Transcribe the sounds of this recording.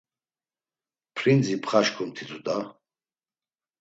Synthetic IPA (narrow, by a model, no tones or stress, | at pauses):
pʰɾind͡zipʰχaʃkʰumt̪ʰit̪ʰʼud̪ʼa